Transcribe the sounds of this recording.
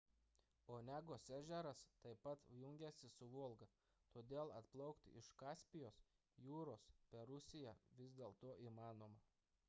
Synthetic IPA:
oːnʲæːɡoːsæːʒʲɛɾɐst̪ɐɪpɐt̪jʊŋʲɡʲɛsʲɪsʊʋuɔlˠɡɐ | t̪oːd̪ʲeːlˠɐt̪plˠɐʊkt̪ʲɪʃkɑːsʲpʲɪjoːs | juːɾoːspʲɛɾʊsʲɪjɛʋʲɪzʲd̪ʲeːlˠt̪oːʔiːmɑːnoːmɐ

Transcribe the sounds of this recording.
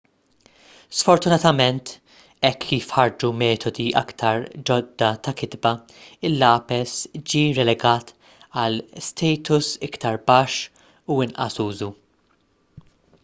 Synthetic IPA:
sfɔɾt̪ʊnɐt̪ɐmɛnt̪ | ɛkʰːiːfħɐɾd͡ʒumɛːt̪ʰɔd̪iʔɐ̰kt̪ʰɐɾd͡ʒɔd̪ːɐt̪ɐkɪd̪bɐ | ɪlːɐːpɛsd͡ʒiːɾɛlɛɡɐːt̪ | ɐlst̪ʰɛːjt̪ʊsɪkt̪ɐɾbɐʃ | uɪnʔɐ̰suːzu

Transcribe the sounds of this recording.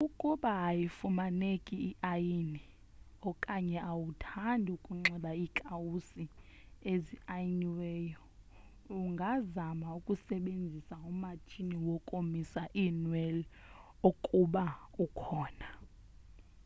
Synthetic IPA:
ukʼuɓaːjifumanekʼiːʔajini | ɔkʼaɲɛʔawutʰandʱukʼuŋ͡ǁɛɓaikʼawusi | eziajiniwɛːjɔ | uŋɡʱazamaukʼusɛɓend͡zʱisaumat͡ʃʼiniwɔkʼomisaʔinwɛl | okʼuɓaukʰɔːna

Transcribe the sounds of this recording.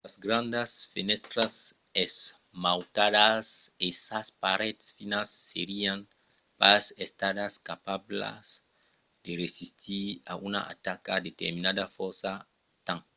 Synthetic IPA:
azɡɾãnd̪asfenɛst̪ɾas | es | mawt̪ad̪asesaspaɾet̪sfinasːeɾiãŋ | pasest̪ad̪askapabla̰s | d̪eresist̪ʰia̰ʔuna̰ʔa̰t̪akad̪et̪eɾminad̪afɔɾsa | t̪ãŋ

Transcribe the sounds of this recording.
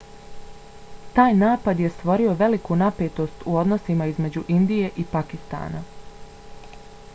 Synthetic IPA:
t̪aːjnaːpad̪je̞st̪ʋo̞ɾio̞ʋe̞likunape̞ːt̪o̞st̪uo̞d̪no̞simaizme̞d͡ʑuʔind̪ije̞ʔipakist̪a̰ːna̰

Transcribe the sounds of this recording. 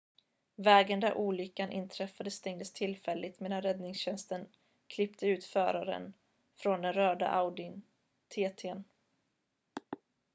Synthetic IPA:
vɛːɡənd̪æɾʔuːlʏkːanʔɪ̰nt̪ʰɾɛfad̪əst̪ʰɛŋd̪əst̪ʰɪlfɛlːɪt̪meːd̪anɾɛd̪nɪŋsɕɛnst̪ən | kʰlɪpt̪ʰəʉ̟ːt̪fœːɾaɾə̰n | fɾɔnd̪ɛnɾœːɖa̰ʔawd̪ɪn | t̪ʰeːt̪ʰen

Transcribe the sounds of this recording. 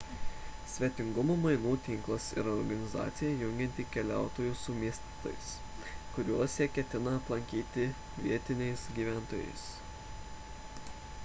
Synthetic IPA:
sʲʋʲiɛt̪ʲɪŋɡʊmomɐɪnuːt̪ʲɪŋklˠɐsɪ̰ɾɔɾɡɐnʲɪzɑ̰ːt̪sʲɪjɛjʊŋʲɡʲɛnʲt̪ʲikʲɛlʲæˑʊt̪oːjuːsʊmʲiɛsʲt̪ʲit̪o̰jɪs | kʊɾʲuɔsjɛkʲɛt̪ʲɪnɐːt̪lˠɐŋʲkʲiːt̪ʲɪ | ʋʲiɛt̪ʲɪnʲɛɪsɡʲiːʋʲæˑnt̪oːjɛ̰ɪs

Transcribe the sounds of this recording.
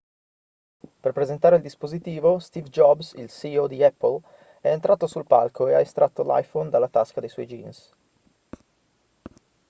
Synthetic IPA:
perpɾezent̪aːɾeild̪ispozit̪iːvost̪ivd͡ʒɔbsḭlsiod̪iɛpːəl | ɛent̪ɾʔat̪osulpa̰lkoeaest̪ɾʔat̪ːola̰jfond̪alːat̪askad̪ejswɔ̰jd͡ʒins

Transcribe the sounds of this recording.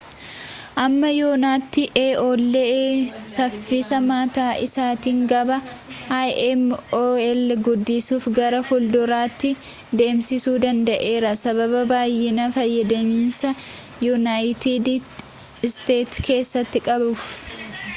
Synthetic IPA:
ʔɐmːɐjoːnaːt̪ːɪʔeːʔoːlːesɐfːiːsɐmaːt̪aːʔɪsaːt̪iːŋɡɐbɐ | ajʔɛmoːɛlɡʊd̪ːɪsuːfɡɐɾɐfʊld̪ʊɾaːt̪ːɪ | d̪e̞ːmsɪsuːd̪ɐnd̪ɐʔe̞ːɾɐsɐβɐbɐbaːjːɪnɐfɐjːɐd̪ɐmiːnsɐ | jʊnajɪt̪id̪ | ɪst̪e̞ːt̪kʰe̞ːsːɐt̪ːɪkʼɐbʊf

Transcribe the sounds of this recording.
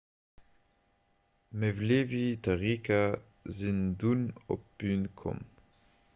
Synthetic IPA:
mevleːvitaʁiːka | zinduno̰pynkʰɔ̰m

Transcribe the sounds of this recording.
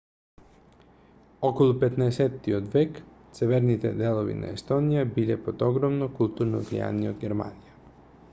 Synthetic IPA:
ɔkɔlˠupɛt̪naɛsɛt̪ːiod̪vɛk | t̪sɛvɛɾnit̪ɛ̰d̪ɛlˠovḭna̰ɛst̪ɔnijabilɛpod̪ɔɡɾɔmnɔkulˠt̪uɾnɔvlḭja̰niod̪ɡɛɾma̰nija

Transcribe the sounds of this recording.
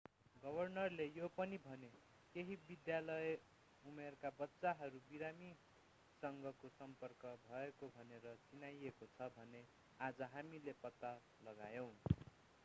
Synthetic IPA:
ɡʌbʱʌrnʌrlejopʌnibʱʌne | keɦibid̪jalʌe | umerkabʌtːsaɦʌɾubiɾami | sʌŋɡʱʌkosʌmpʌrkʌbʱʌekobʱʌneɾʌt͡sinajekot͡sʰʌbʱʌne | ad͡zʌɦamilepʌt̪ːa | lʌɡajʌ̃w̃

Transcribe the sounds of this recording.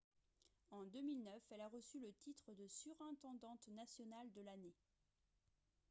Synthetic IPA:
ɑ̃d̪əmilnœfɛlaʁəsylət̪it̪χəd̪əsyʁɛ̃t̪ɑ̃d̪ɑ̃t̪nasjɔnald̪əlane

